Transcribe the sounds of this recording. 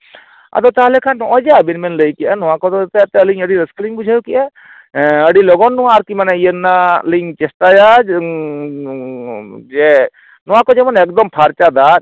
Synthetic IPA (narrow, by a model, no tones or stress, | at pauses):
a̰t̪ɔt̪aɦalɛkʰanːɔʔɔ̃d͡ʒaəbinmɛnləjkijanɔwakɔt̪ɔt̪ɛat̪ɛəliɲəɽiɾəskəliŋbud͡ʒʱajukɛʔa | əɽilɔɡɔnːɔwaːɾkimanɛijənːaliɲt͡ʃɛsʈaja | d͡ʒɛ | nɔwakɔd͡ʒɛmɔnɛk̚d̪ɔmpʰaɾt͡ʃad̪at̪̚